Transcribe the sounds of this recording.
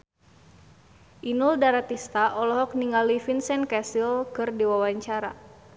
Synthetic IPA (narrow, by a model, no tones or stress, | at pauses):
ʔinuldaɾat̪ist̪aʔɔlɔɦɔk̚niŋalifinsɛnkasilkɨrdiwawaɲt͡ʃaɾa